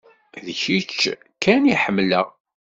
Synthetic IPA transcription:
ðəçit͡ʃː | kːæniħəmːləʁ

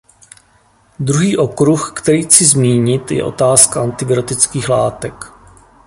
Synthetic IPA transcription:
d̪ɾuɦiːʔo̞kɾuxkt̪ɛɾiːt͡sɪzmiːɲɪt̪jɛ̰ʔo̞̰t̪aːskaʔant̪ɪbɪot̪ɪt͡skiːxla̰ːt̪ɛk

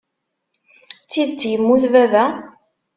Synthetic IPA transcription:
t͡sːiðt͡sːjəmːuθvævæ

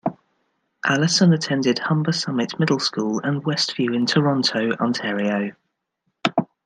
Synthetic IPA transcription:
ʔalɪsə̃nətʰɛ̃ndɪd̥hʌ̃mbəsʌmɪʔmɪdˡl̩ˠskuːlə̃nwɛstfjʉːɪ̃ntʰəɹɒ̃ntʰəʊʔɑ̰̃ntʰɛːɹiəʊ

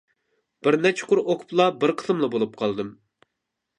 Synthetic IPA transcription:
b̥ɪɾnɛt͡ʃʰɪ̥qʊɾʔoqʰʊ̥plˠɑbɪɾqʰə̥sɨmlˠɑbolˠup̚qʰɑlˠd̪ɨm

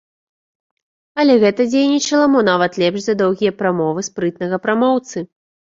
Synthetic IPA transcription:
ɐlʲɛɣɛt̪ɐd͡zʲejnʲit͡ʃɐlˠɐmɔnavɐt̪lʲɛpʂzɐd̪ɔwɣʲijɐpɾamɔvɨspɾɨt̪nɐɣɐpɾamɔwt̪sɨ

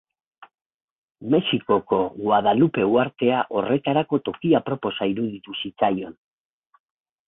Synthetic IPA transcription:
me̞siko̞ko̞ɣwaðalupe̞uaɾt̪e̞aʔo̞re̞t̪aɾako̞t̪o̞kiapɾo̞po̞saiɾuðit̪usit͡sajo̞n

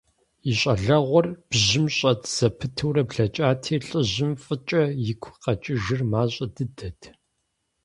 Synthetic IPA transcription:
iɕʷʼɐɮɐʁʷɔrb̥ʑɪmɕʼɐdz̥ɐpʰɨtʰɨwrɐbɮɐt͡ʃʼaːtʰiːɬʼɨʑɪmfʼɨt͡ʃʼɐjɪkʷʰqɐt͡ʃʼɪʒɪrmaːɕʼɐdɨdɐdʰ

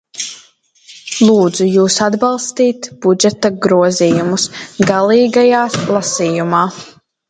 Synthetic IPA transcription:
lˠuːd̪zujuːsad̪balˠst̪iːt̪b̥ud͡ʒɛt̪aɡɾuɔziːjumusɡalˠiːɡajaːlˠasiːjumaː

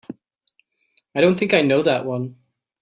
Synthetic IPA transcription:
aɪɾõʊ̃nθɪ̃ŋkaɪnoʊðəʔwʌ̃n

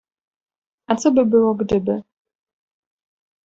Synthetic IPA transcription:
at̪sɔbɘbɘwɔɡd̪ɘbɪ

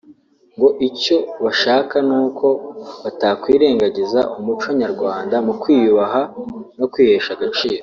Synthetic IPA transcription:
ŋɡo̞ʔico̞βaʃaːkanuːkʰo̞βatakwiːɾe̞ːŋɡaɟizaʔumut͡ʃo̞ɲaɾɡwaːndamukwiːβaɦano̞kwiːhe̞ːʃaɡat͡ʃiːɾo

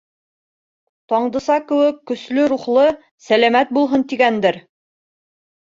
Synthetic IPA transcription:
t̪ɒɴd̪ɤ̆sɑkɘ̆wɘkːɵ̆slɵɾuχlˠɤ | sælæmæt̪̚bulˠɦɤnt̪iɡænd̪ɘɾ

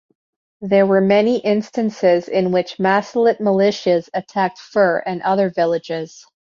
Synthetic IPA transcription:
ðə˞wə˞mɛniʔɪ̃nstɨ̃nsɪzɪ̃nwɪt͡ʃmæsl̩ˠɨt̚məlɪʃɨzɨtʰæk̚tfɜ˞ɨ̃nʔʌðə˞vɪlˠɨd͡ʒɪz̥

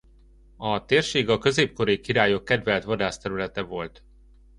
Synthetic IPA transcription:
ɒt̪eːrʃeːɡɒkø̞zeːp̚ko̞ɾejkiɾaːjo̞kːɛd̪vɛlt̪ʋɒd̪aːst̪ɛɾylɛt̪ɛvo̞lt̪

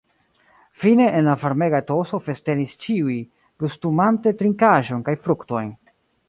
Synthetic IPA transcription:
fine̞ʔːnlavaɾme̞ɡato̞so̞fe̞ste̞nist͡ʃiuj | kustumante̞tɾiŋkaʒo̞nkajfɾukto̞jn

